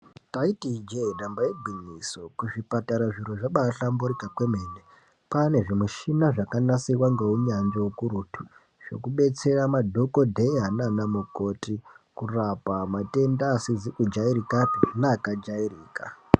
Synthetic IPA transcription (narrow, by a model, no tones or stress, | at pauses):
taitid͡ʒeɗambajebʱinisokuʐipataɾaʐiɾoʐaɓaɬambuɾikakwe̞meːne | pane̞ʐimuʃinaʐakanasiwaŋɡeuɲaɲd͡ʒeukuɾutʰu | ʐ̥o̞̰kuɓe̞t͡se̞ramadʱo̞ko̞dʱeiɦananamuko̞tikurapamate̞ndaːsid͡zikud͡ʒaiɾikapinaːkad͡ʒairiːka̰